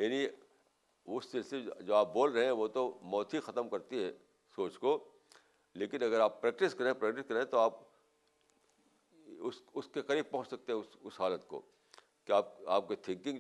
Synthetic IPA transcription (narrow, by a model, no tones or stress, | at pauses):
jaːni | ʊsːɪlsled͡ʒoːaːp̚boːlɾɐɦẽɦɛ̃ʋot̪omɔːt̪ʰixɐt̪əmkɐɾt̪iɦɛ | soːt͡ʃko | leːkɪnɐɡəɾaːpːɾɛːk̚ʈɪskɐɾẽpɾɛːk̚ʈɪskɐɾẽt̪oaːp | ʊsʊskekɐɾiːb̚pɐ̃ɦʊ̃t͡ʃsɐk̚t̪eɦɛ̃ʊsʊsɦaːlət̪ko̰ | kiaːp̚aːp̚ket̪ʰɪ̃ŋkɪ̃ŋ